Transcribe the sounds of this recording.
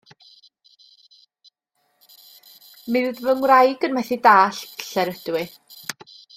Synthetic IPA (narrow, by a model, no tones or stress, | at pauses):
mɪðvəŋwrajɡənmwɛθidaːɬɬɛɾəd̥wɪ